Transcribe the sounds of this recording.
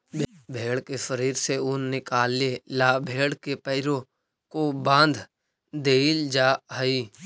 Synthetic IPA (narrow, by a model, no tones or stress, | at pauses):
b | bʱeːɽkefəɾiːɾseʊnːɪkaːlːelaːbʱeːɽkepəɪɾõ | kobãːnd̪ʱ | d̪eːld͡ʒaːɦəiː